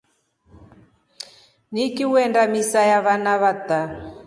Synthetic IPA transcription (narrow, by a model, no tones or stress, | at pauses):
nikiwɛndamisajaβanaβat̪a